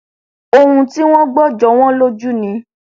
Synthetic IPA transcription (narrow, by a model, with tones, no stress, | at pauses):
o˧hũ˧ti˦w̃ɔ̃˦ɡ͡bɔ˦˨d͡ʒɔ˨˦w̃ɔ̃˦lo˦d͡ʒu˦nĩ˧˦